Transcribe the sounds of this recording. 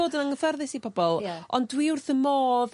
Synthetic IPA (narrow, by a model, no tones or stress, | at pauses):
oːdənəŋəfərðɪsipʰɔbɔlˠɔndwiʊrθəmoːð